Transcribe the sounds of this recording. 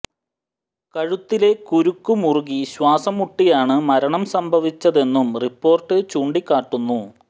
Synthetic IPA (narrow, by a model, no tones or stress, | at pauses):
kɐɻut̪ːile̞kuɾukːumuruɡiɕwaːsɐmuʈːijaːɳɨmɐɾɐɳɐmsɐmbʱɐʋit͡ɕːɐðe̞nːumripːo̞ːrʈːɨt͡ɕuːɳɖikːaːʈːunːu